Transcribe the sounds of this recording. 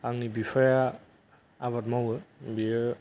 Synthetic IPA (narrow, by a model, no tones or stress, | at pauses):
aŋnibipʰajaː | βat̚mawɯbijə